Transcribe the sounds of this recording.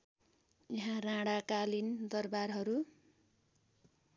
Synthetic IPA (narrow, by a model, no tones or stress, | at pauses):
jiɦãrãɽakalind̪ʌrbarɦʌɾu